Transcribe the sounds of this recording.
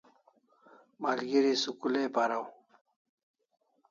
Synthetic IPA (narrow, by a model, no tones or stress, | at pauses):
maːlɡiɾisukuleːpaɾaw